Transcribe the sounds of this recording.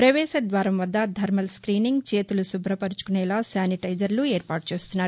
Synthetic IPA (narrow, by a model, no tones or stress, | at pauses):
pɾɐʋɛːʃɐd̪ʋaːɾɐmʋɐd̪ːɐd̪ʱɐɾmɐlskɾiːniŋɡt͡ʃeːt̪ulusubʱɾɐpɐɾut͡ʃu̥kunɛːlaːsaːniʈɐjd͡ʒɐɾlueːɾpaːʈt͡ʃeːst̪unːaːɾ